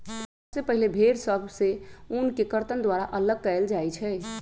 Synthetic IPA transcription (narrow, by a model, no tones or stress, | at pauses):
sepəɦilebʱeɾsəbʱseunkekəɾt̪ənd̪waɾaʔələɡ̚kəeld͡ʒajt͡ʃʰɛ